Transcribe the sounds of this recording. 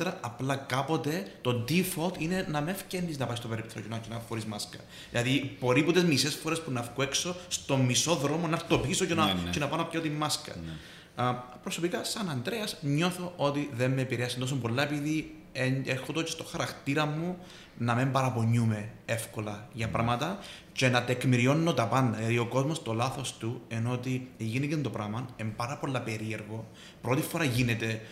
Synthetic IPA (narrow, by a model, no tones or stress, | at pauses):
ɾɐɐplɐkapo̞t̪e̞t̪o̞d̪ifot̪ine̞nɐmefcenːiznɐpɐist̪opeɾipt̪ʰocenɐcenɐfxoɾizmɐskɐ̰ | ðilɐðib̥o̞ɾipot̪ezmise̞sfo̞ɾe̞spunɐfkuekso̞st̪o̞mːiso̞ðɾo̞mo̞nɐɾt̪o̞pisocenɐcenɐpɐnɐpcɐt̪imːɐskɐ̰ | pɾoso̞pikɐsɐnɐnd̪ɾeɐsɲo̞θo̞ʔot̪iðemːeːpiɾeɐsnt̪osombo̞lːɐepiði | eɾxot̪ocest̪oxɐɾɐkt̪iɾɐmːu | nɐmembɐɾɐpo̞ɲːume̞efko̞lɐʝɐpɾɐmɐt̪ɐ | ce̞nɐt̪ekmiɾio̞nːot̪ɐpɐndɐɐðioko̞zmost̪o̞lɐθo̞st̪ueno̞t̪ieʝinecend̪opɾɐmɐnembɐɾɐpo̞lːɐpe̞ɾie̞ɾɣo̞ | pɾo̞t̪ifoɾɐʝinet̪e̞